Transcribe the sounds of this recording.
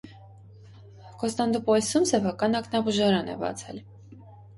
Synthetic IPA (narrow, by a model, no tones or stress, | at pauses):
kɔst̪ɑnd̪upɔjsumsɛpʰɑkɑnɑknɑbuʒɑɾɑnɛ̰bɑ̰t͡sʰɛl